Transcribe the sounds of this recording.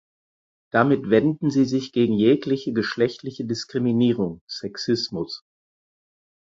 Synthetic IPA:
d̥amɪtv̥ɛndn̩ziːzɪçɡ̥eːɡŋ̩jeːklɪçəɡəʃlɛçtlɪçədɪskʁ̥iminiːʁʊŋsɛksɪsmʊs

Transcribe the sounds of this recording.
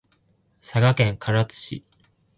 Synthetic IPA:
saɡakẽ̞ŋkʰaɾat͡sɨ̥ɕḭ

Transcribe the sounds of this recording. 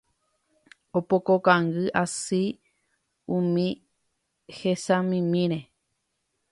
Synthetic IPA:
opokokaŋɡɨʔasi | ũmĩ | hesãmĩmĩɾe

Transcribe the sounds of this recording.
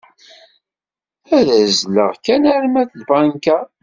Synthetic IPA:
æðæzlə̰ʁkænæɾmæθlbanka

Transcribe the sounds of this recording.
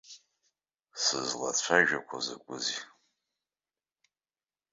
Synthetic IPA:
sɨzlat͡ɕʷʰaʒᶣakʷʰazakʷʼʊzi

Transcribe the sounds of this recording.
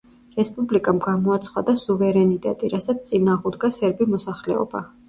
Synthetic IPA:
ɾɛspʼublikʼamɡamɔat̪sʰχwa̰d̪asuvɛɾɛnit̪ʼɛ̰t̪ʼiɾasat̪sʰt̪sʼinaːʁud̪ɡasɛɾbimɔsaχlɛɔ̰ba̰

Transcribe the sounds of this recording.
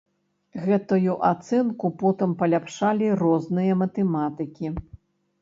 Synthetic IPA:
ɣɛt̪ujuʔat̪sɛnkupɔt̪ɨmpɐlʲapʂalʲirɔznɨjɐmɐt̪ɛmat̪ɨkʲi

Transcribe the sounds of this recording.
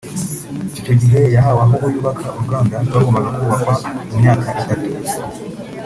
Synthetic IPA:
ico̞ɟiɦe̞jaɦawaɦuɡujuːβakʰaʔuɾuɡaːndawaɡomaɡakuːβakwamumɲaːkʰaʔitatu

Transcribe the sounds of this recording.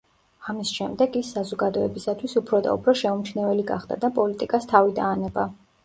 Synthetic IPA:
amisʃɛmd̪ɛɡisːazɔɡad̪ɔɛbisat̪ʰwisupʰɾɔd̪a̰ṵpʰɾɔʃɛumt͡ʃʰnɛvɛliɡa̰χd̪a̰d̪apʼɔlit̪ʼikʼast̪ʰavid̪aːnɛba

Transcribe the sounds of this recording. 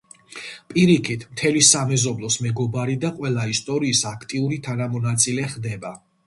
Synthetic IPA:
pʼiɾikʰit̪ʰmt̪ʰɛlisamɛzɔblˠɔsmɛɡɔbaɾid̪aqʼwɛlˠaist̪ʼɔɾiːsakʰt̪ʼiuɾit̪ʰanamɔnat̪sʼilɛχd̪ɛba

